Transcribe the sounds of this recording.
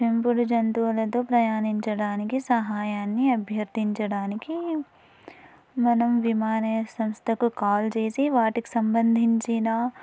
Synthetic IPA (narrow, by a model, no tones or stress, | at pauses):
ʃimpuɽd͡ʒɐnt̪uɐlɐt̪opɾɐjaːnint͡ʃɐɽaːnikisɐɦaːjaːnːiɐbʱjɐɾt̪int͡ʃɐɽaːniki | mɐnɐmʋimaːnɐsɐ̃mst̪ʰɐkkaːld͡ʒeːsiʋaːʈiksɐmbɐnd̪ʱint͡ʃiːnaː